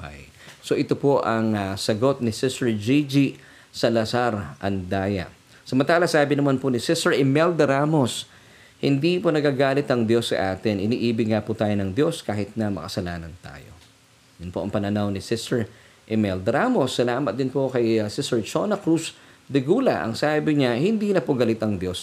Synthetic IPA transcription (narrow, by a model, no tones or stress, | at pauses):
oha̰j | so̞ʔɪt̪o̞po̞ʔɐŋɐsɐɡo̞t̪̚nɪsɪst̪ɛɹd͡ʒid͡ʒi | sɐlɐsaɾʔɐnd̪aːjɐ̰ | sɐmɐnt̪aːlɐsaːbɪnɐmanponɪsɪsɛɹʔɛmɛld̪ɐɾamo̞s | hɪnd̪iponɐɡaːɡaːlɪt̪ɐŋd̪jo̞sːɐ̰ʔaːt̪ɪnɪniːʔiːbɪɡŋaput̪aːjonɐŋd̪jo̞skaːhɪt̪̚nɐmɐ̰kɐsɐlaːnɐnt̪a̰ːjo̰ | jʊnpoʔɐŋpɐnɐnawnɪsɪst̪ɛɹ | ʔɛmɛld̪ɾaːmo̞sːɐlaːmɐt̪̚d̪ɪnpo̞kɐjsɪsɛɹt͡ʃonɐkɾus | d̪ɛɡuːlɐ̰ʔɐ̰ŋsaːbɪɲahɪnd̪iːnɐpoɡɐlɪt̪ɐŋd̪jo̞s